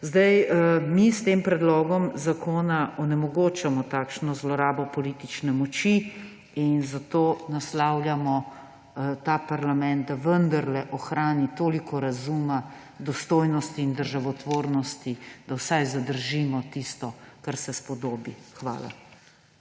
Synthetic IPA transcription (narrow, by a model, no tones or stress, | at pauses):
zd̪ajmist̪eːmpɾɛd̪lɔːɡɔmzakʰoːnaɔnɛmɔɡoːt͡ʃamɔt̪aːkʃnɔzlɔɾaːbɔpɔliːt̪it͡ʃnɛmɔt͡ʃi | inzat̪oːnaslaːwljamɔ | t̪aːpaɾlamɛ̃nt̪̚d̪aʋənd̪aɾlɛʔɔxɾaːnit̪oːlikʰɔɾazuːma | d̪ɔst̪oːjnɔst̪iːnd̪əɾʒaʋɔt̪ʋoːɾnɔst̪id̪awsajzad̪əɾʒimɔt̪ist̪ɔkaɾsɛspɔd̪oːbixʋa̰ːla̰